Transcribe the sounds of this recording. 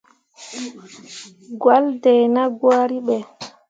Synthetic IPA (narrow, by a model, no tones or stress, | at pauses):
ɡwaldɛjnaɡwaːɾiɓɛ